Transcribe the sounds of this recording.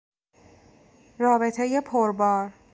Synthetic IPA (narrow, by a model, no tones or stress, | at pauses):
ɾɒːbe̞t̪ʰeje̞pʰoɾbɒːɾ